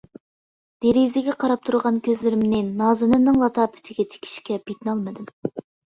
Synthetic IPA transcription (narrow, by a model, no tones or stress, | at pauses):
d̪̥eɾizɪɡʲɛqʰɑɾɑp̚t̪ʰuɾʁɑnkʲʰøzlɪɾɪmnɪnɑːzɨnɨnːɨŋlˠɑt̪ʰɑːpʰɪ̥t̪ʰɪɡʲɛt̪ʰe̥kʲʰi̥ʃkʲɛbet̪nɑlˠmɨd̪ɨm